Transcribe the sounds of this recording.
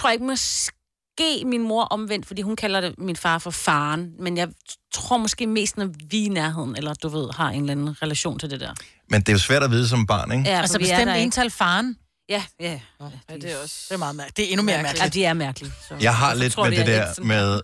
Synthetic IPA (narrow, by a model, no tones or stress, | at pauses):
t͡sʰo̝ɐ̰ɐe̝ɡ̥mɒ̽s | ɡ̥e̝̰ːminmo̝ɐʔɒ̽mʋen̰d̥fɒdḭːhunkʰælɐde̝minfɑ̈ːfɒ̽fɑ̈ːnmenjɑ̈ɪt͡sʰʁo̝ɐ̰mɒ̽sɡ̥e̝̰ːme̝̰ːsd̥nɒʋinæɐɦe̝ð̞̰ˠn̩elɐd̥uʋe̝ð̞̰ˠhɑ̈ʔe̝ːnlænn̩ʁɛlæɕo̰ːnt͡sʰe̝ld̥e̝d̥ɛ̰ɐ | mend̥e̝jo̝sʋæɐɾæʋiːð̞̩ˠs̬ɒ̽mb̥ɑ̰̈ːneɡ̥jæælssə̥esdemddent͡sʰælfɑ̈ːn | jæj | desmɑ̈ːð̩ˠmd̥eenumeɐɐmæɐd̥iæɐmæɐɡ̥lisɒjɑ̈ɪɦɑ̈le̝d̥̰meded̥æɐ̰meðˠ